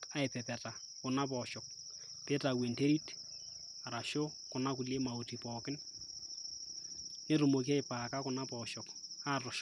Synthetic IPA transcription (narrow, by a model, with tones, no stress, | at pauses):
a˨ɪpɛpɛ˨ta˨ | kʊ˨na˦p̬ɔʃɔk̚ | pe˦tawe˨nte˦ɾi˦t | a˨ɾa˨ʃo˦ | kʊ˨na˦k̬ʊle˦ma˨o˨tipɔːkɪ˦n | ne˦ɾumok̬i˦a˦ɪpaːka˦kʊna˦pɔʃɔkatɔʃ